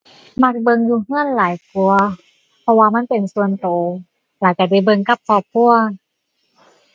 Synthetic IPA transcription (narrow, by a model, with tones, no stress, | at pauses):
ma˧˩k̚bɤ˧ŋjuː˧ŋɯ˧˥˨ənlaː˨˦jku˧ɐ | pʰɔ˧waː˧ma˧˥˨npe˨˩nsu˧ənt̪oː˨˩˦ | laː˨˩ka˧˩da˧˩˨jbɤ˧ŋka˧˦p̚kʰɔː˧˩p̚kʰu˧˩ɐ